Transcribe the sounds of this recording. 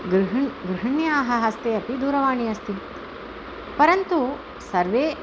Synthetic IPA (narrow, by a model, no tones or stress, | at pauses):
ɡɾɦɡɾiɦɐɳjaːɦɐ̆ɦɐst̪eːɐpid̪uːɾɐʋaːɳiɐst̪i | pɐɾɐnt̪u | sɐɾʋeː